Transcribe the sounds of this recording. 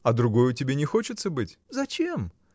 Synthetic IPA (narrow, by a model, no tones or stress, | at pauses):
ɐd̪ɾʊɡo̞jʊtʲɪbʲenʲɪxo̞t͡ɕɪt̪səbɨtʲzɐt͡ɕem